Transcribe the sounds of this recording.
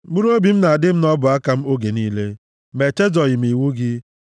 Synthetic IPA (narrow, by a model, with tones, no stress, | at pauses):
ɡ͡bu˦ɾo˦bi˨m̩˦na˨a˨dɪ˦m̩˦nɔ˦bʊ˨a˦ka˦m̩˦o˦ɡe˨niː˦le˦ | me˨t͡ʃe˦d͡ʒɔ˨ɣɪ˨m̩˨i˨wu˦ɡɪ˦